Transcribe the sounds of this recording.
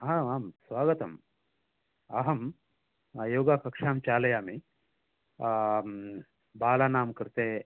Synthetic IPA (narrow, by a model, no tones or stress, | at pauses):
aaːmsʋaːɡɐt̪ɐ̰m | ɐ̰ɦɐm | joːɡakɐkʂaːmt͡ʃaːlɐjaːmi | baːlaːnaːmkɐɾt̪eː